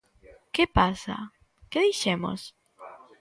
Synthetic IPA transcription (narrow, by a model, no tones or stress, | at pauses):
kepasa̰ | keðiʃemo̰s